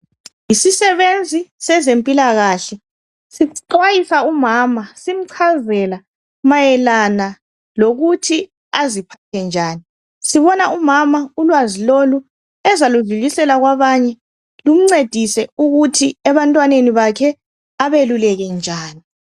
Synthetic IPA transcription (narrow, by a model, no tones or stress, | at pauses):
isisɛβend͡zʱisɛzempʼilaɣaɬɛ | siǀwajisaumaːmasim̩ǀʰazɛla | majɛlana | loɣutʰi | azipʰatʰɛnd͡ʒʱaːni | siβɔnaumamaulwazilolu | ɛzaluɮulisɛlaɣwaβaɲɛ | lum̩ŋ͡ǀed̥ʱisɛuɣutʰiɛβantʼwaneniβakʰɛ | aβelulɛɣɛnd͡ʒʱaːni